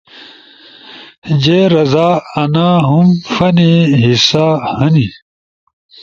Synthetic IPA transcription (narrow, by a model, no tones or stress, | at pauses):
d͡ʑeɾɐzaːɐnaːɦumfɐneɦisaːhɐni